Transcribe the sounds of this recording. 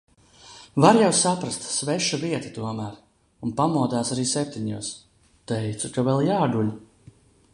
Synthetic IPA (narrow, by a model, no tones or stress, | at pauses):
vaɾjawsapɾast̪svɛʃuviɛt̪i̥t̪uɔmæːɾ | unpamuɔd̪aːsaɾiːsɛp̚t̪ʲiɲuɔs | t̪ɛjt̪sukavɛlˠjaːɡul